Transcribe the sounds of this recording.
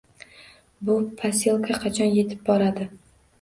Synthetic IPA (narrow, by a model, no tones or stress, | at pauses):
bʊpʰasʲelˠkʰaqʰɑt͡ʃʰɒnje̞t̪ʰɪ̥p̚bɒɾad̪ɪ